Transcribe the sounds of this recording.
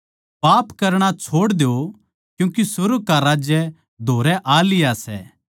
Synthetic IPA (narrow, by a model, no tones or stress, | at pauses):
paːpkɐɾɽ̃at͡ʃʰoːɽd̪eo | kjũːkisʊɾukaɾaːd͡ʒjɛ | d̪ʱoːɾɛʔaːlɪjasɛ̰ː